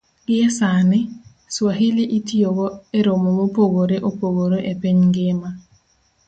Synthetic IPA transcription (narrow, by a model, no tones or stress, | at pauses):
ɡɪɛsanɪ | swaɦiliʔitijoɡɔeɾomomopoɡoɾeʔopoɡoɾoʔepeɲŋɡema